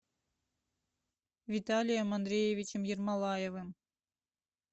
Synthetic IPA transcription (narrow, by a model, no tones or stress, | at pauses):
vʲit̪alʲijəmɑnd̪ɾʲejevʲit͡ɕɘ̆mjirmɑlˠɑjevɨm